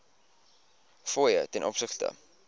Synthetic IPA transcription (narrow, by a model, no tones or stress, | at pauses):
foːjətɛnʔɔpsəχtə̰